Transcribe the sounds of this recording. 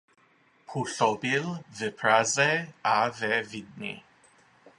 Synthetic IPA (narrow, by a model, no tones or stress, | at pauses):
pʰuɬɔbilvɛpʰɾazɛavɛvid̪̚nḭ